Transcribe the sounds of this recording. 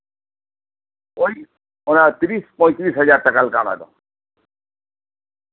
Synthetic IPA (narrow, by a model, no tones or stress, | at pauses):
oj | onat̪ɾispɔ̃j̃t̪ɾisɦʌd͡ʑaɾʈ̪akalkama̰d̪ɔ̰